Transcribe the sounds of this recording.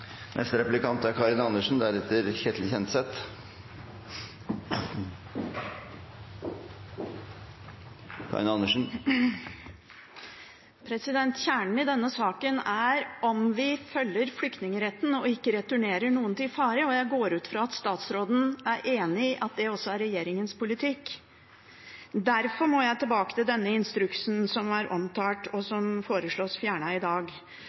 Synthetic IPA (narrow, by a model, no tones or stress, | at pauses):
nʔɛ̰st̪əɾɛplɪkɑnt̪æɾkʰɑɾɪnɑnːəʂn̩d̪æɾɛt̪ːəɾçeːt̪ʰlɪçɛnt̪sɛt̪ | kʰɑ̰ɾɪnɑnəʂn̩ | pʰɾɛsɪd̪ɛnt̪çæːɳɳ̩ɪd̪ɛnːəsɑːkənæɾɔmʋɪfœlːəɾflʏkt̪nɪŋəɾɛt̪ːn̩ɔɪkːəɾɛt̪ʉɳeːɾəɳuːənt̪ɪfɑːɾəɔjæɪɡoːɾʉːt̪fɾɑːɑt̪st̪ɑːt̪sɾoːd̪n̩æɾʔeːnɪʔɑt̪̚d̪ɛɔsːɔæɾɛjeːɾɪŋənspʊlɪt̪ʰɪkː | d̪æɾfɔɾmɔjæɪt̪ʰɪlbɑːkət̪ɪld̪ɛnːəɪnst̪ɾʉksnsɔmæɾʔɔmt̪ʰɑːʈɔsɔmfoːɾəʂɭoːsfjæːɳəɪd̪ɑːɡ